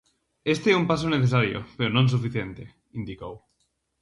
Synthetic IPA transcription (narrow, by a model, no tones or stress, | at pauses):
est̪eɛumpas̬oneθes̬aɾjo̰peɾonõns̬ufiθjent̪e | ind̪ikow